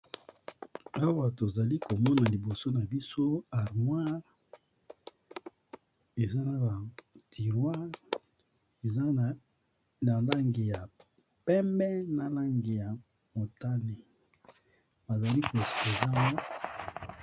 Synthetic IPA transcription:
a˦wa˨to˨za˨li˦ko˨mɔ˦na˨li˨bo˨so˦na˨bi˦so˦a˨ʁmwa˦ʁ | e˨za˦na˨ba˨tʰi˨ʁwa˦ʁ | e˨za˦˨ | na˨la˦ŋɡe˨ja˨ | pɛ˦mbɛ˦na˨la˦ŋɡe˨ja˨ | mo˨ta˦ne˨ | ba˨za˨li˦ko˨e˨spo˨za˦na˦

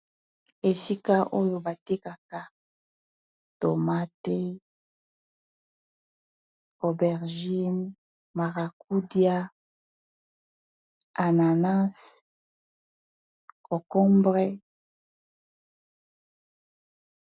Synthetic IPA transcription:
e˨si˦ka˦ʔo˦jo˨ba˨te˦ka˨ka˨ | to˨ma˦tɛ˦ | o˨bɛ˨ʁʒi˦n | ma˨ʁa˨ku˦dja˦ | a˨na˨na˦s | o˨kɔ˦mbʁɛ˦

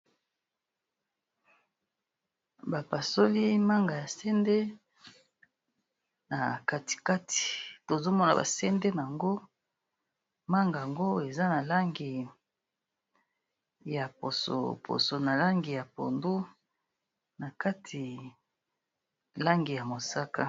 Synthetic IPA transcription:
ba˨pa˨so˦li˦ma˦ŋɡa˨ja˨sɛ˦nde˦ | na˨ka˦ti̥˨ka˦tʰi̥˨to˨zo˦mɔ˦na̰˨ba̰˨sɛ˦nde˦na˨a˨ŋɡo˦ | ma˦ŋɡa˨a˨ŋɡo˦e˨za˦na˨la˦ŋɡi˨ | ja˨po˨so̰˨pʰo̰˨so˨na˨la˦ŋɡi˨ja˨po̰˨ndu˦ | na˨ka˦tʰi˨ | la˦ŋɡi˨ja˨mo˨sa˦ka˦

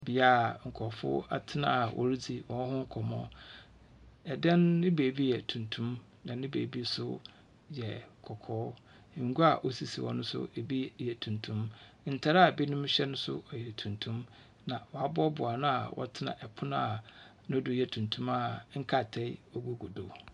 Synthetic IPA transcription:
bi˨a˦˨ŋ̩˨kʰɔ˨fʊ̰˦a̰˨tʰɪ˦nã˨wʔɔ̰˨ɾi˦d͡zi˨wʔɔ̃˨n˦hʊ̃˦ŋ̩˦kʰɔ˨mɔ̰̃˦ | ɛ˨dã˦nːɪ̃˦beː˨bi˦jɛ˨tʰũ˨ntʰũ˦m | nã˨nɪ̃˦bḛː˨bi˦sʊ̰˦ | jɛ˨kʰɔ˨kʰɔː˦˨ | ŋ̩˦ɡu˦a˨ʔo˦si˨sḭ˨wɔ̰˦nʊ̃˦sʊ̰˦e˨bi˦jɛ˨tʰũ˨ntʰũ˦m | n̩˨tʰa˨ɾa˦˨be˦nʊ̃˦mɕᶣɛ˦nʊ̃˦sʊ̰˦ɔ˨jɛ˨tʰũ˨ntʰũ˦m | nã˨wɔ˨a˨bɔ˦bʊ˨a˨nʊ̃˦a̰˨wʔɔ̰˦tʰɪ˦nã̰˨ʔɛ˨pʰʊ˦nʊ̃˦a˨ | nʊ̃˦dʊ˨jɛ˨tʰũ˨ntʰũ˦ma˨ŋ̩˦kʰa˨tʰɛ˦ɔ˦ɡu˦ɡu˨do˨

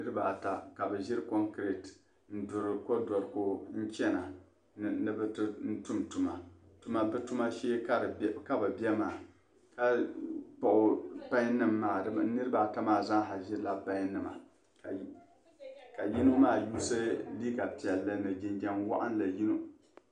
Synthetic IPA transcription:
nɨ˦ɾɨ˦ba˨ta˨ka˨bɨ˨ʒɪ˦ɾkɔ˦ŋkɾe˨t | n̩˦dʊ˨ɾɨ˨ko˦dɔ˨ɾko˦n̩˦t͡ʃɛ˦na˨ | nɨ˦bɨ˦tɨ˦n̩˦tu˦mtu˨ma˨tu˨˦ma˨bɨ˦tu˦ma˦ʃeː˦ka˦˨ka˦bɨ˨bɛ˦maː˨ | ka˦pa˨ʔʊ˨pa˦ɲ˦nɨ˦mːaː˨dɨ˦bnɨ˦ɾɨ˦ba˦˨ta˦maː˦˨za˦ŋ˦ɦa˨ʒɪ˦la˦pa˦ɲ˦nɨ˨ma̰˨ | ka˨ji˦no˦maː˦˨juː˦sɨ˦liː˦ka˨pi˨ɛ˨lːɨ˦nɨ˨d͡ʒɪ˦˨nd͡ʒa˦nwa̰˦ʔa˦n˦la˨ji˦no˦

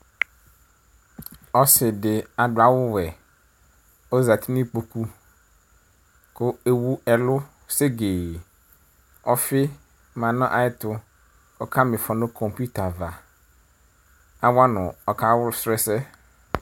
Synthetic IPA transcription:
ɔ˦sɪ˨dɪ˨a˨dʊ˨a˨˦wʊ˦wɛ˨ | ɔ˦za˨t̪ʰi˦nɪ̃˦k͡po˨ku˦ | kʊ˦e˨wu˦ɛ˨lʊ˦ | se˦ɡe˨ | ɔ˦fɪ˦ | mã˨nã˦ʔa˨ɪ˦tʊ˨ | ɔ̰˨kʰa˦mɪ̃˨fɔ˨nʊ̃˦kʰɔ̃˨mpu˦ta˨va˨ | a˦wa˦nʊ̃˨ɔ˨kʰa˦wʊ˦sɾɛ˦sɛ˦

